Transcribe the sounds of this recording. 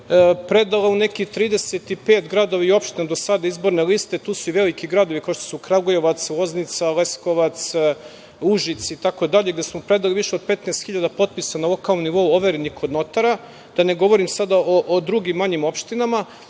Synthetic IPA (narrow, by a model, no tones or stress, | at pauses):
pɾe̞d̪aleune̞kit̪ɾiːd̪e̞set̪ipe̞ːt̪ɡɾad̪oʋaio̞pʃt̪inad̪o̞sad̪aizbo̞ɾnelist̪et̪uːsuiʋe̞likiɡɾad̪o̞ʋikaoʃt̪o̥sukɾaɡojoʋat̪sʋo̞znit̪sale̞sko̞ʋat̪s | uʒit̪sit̪ako̞d̪aʎeɡd̪e̞smopɾe̞d̪aliʋiʃeo̞d̪̚pet̪neːst̪xiʎad̪apo̞t̪̚pisanalo̞kalˠnoniʋo̞uo̞ʋeɾeniko̞d̪no̞t̪aɾa | d̪̥ane̞ɡo̞ʋo̞ɾimsad̪aʔoʔod̪ɾuɡimːaɲimo̞pʃt̪inama